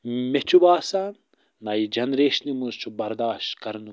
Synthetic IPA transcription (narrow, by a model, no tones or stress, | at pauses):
met͡ʃʰubaːsaːnː | ɐjid͡ʒɐnɾeːʃnimuzt͡ʃʰubɐɾd̪aːʃt̪kɐɾnu